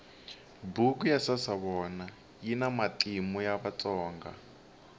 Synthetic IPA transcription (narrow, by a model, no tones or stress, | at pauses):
bukujasasaβɔna | jinamatʼimujaβat͡sʼɔːŋɡa̰